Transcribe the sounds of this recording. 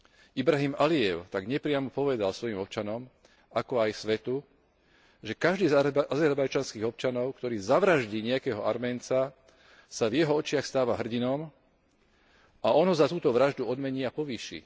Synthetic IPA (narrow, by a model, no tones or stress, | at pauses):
ibɾaɦimaliɛʊt̪aɡɲɛpɾɪamɔpɔʋɛd̪alsʋɔjimɔp̚t͡ʃanɔm | akɔajsʋɛt̪u | ʒɛkaʒd̪iːzazɛɾbajt͡ʃanskiːɣɔp̚t͡ʃanɔʊkt̪ɔɾiːzaʋɾaʒɟiːɲɛakɛːɦɔaɾmɛːnt͡sa | savjɛɦɔɔt͡ʃɪaxst̪aːʋaɦr̩ɟinɔm | aʔɔnɦɔzat̪uːt̪ɔʋɾaʒd̪uɔd̪mɛɲiapɔʋiːʃḭː